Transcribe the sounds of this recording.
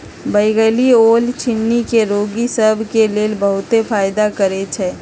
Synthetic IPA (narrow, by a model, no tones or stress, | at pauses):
bəɪɡəlioːlt͡ʃʰɪnːikeɾoːɡisəbʱkeleːlbəɦʊt̪efaːjd̪akəɾet͡ʃʰeː